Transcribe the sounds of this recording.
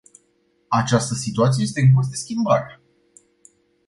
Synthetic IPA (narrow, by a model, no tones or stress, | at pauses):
at͡ʃast̪əsit̪uat̪sieje̞st̪eɨnpus̬d̪e̞skʲimbaɾə